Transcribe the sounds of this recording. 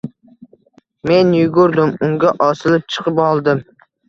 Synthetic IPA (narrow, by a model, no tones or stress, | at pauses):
me̞njʊɡʊɾd̪ɪmʊŋɡʲaʔɒsɪlɪp̚t͡ʃʰɨ̥qʰɨpɒlˠd̪ɪm